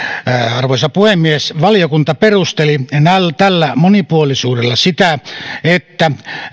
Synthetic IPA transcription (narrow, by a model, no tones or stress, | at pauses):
ɑrʋoisɑpuhemːiesʋɑlijokunt̪ɑperust̪elinælt̪ælːæmonipuolisuːdelːɑsit̪æet̪ːæ